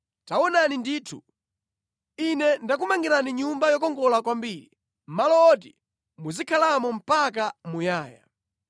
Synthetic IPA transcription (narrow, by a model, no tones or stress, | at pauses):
tawɔnanindiːtʰu | inɛndak̬umaŋɡiɾaniɲumbajɔk̬ɔŋɡɔlakwambiːɾi | m̩malɔːt̬i | muzikʰalamɔm̩pak̬amujaːja̰